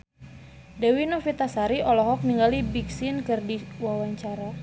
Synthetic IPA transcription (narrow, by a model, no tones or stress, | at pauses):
dɛwinofit̪asaɾiʔɔlɔɦɔk̚niŋɡalibiksɪnkɨrdiwawaɲt͡ʃaɾa